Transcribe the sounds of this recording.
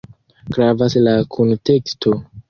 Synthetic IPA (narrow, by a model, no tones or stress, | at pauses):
ɡ̥ɾavaslakʰonte̞kstʰo